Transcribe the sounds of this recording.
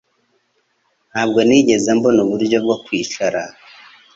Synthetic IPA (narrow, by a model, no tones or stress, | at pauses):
haːb̚ɡoniɟezembo̞nuβuɾɟo̞b̚ɡwokwiːt͡ʃaɾa